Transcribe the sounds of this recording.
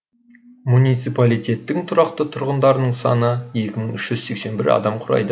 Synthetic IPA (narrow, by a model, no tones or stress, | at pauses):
munijt̪sipalijt̪ʲe̞t̪ːɪŋt̪ʰʊɾɑqt̪ət̪ʰʊɾʁənd̪ɑɾənəɴsɑ̰nəje̞kʲɪməɴʏʃʒ̥ʏz̥se̞kse̞nbɪ̰ɾɑ̰d̪ɑmqʰʊɾɑ̰jd̪ə